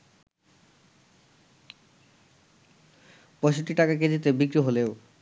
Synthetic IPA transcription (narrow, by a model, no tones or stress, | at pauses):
pɔjʃoʈːiʈakak̬ed͡ʑit̪ebikɾiɦoleo